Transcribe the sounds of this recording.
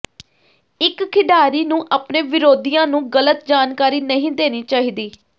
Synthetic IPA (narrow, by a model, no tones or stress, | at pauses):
ɪkkʰːɪɖaːɾiːnũːʔaːpnẽːʋɪɾoːd̪ijãːnũːɡələt̪̚d͡ʒaːnkaːɾiːnəɦĩːd̪eːniːt͡ʃaːɦiːd̪iː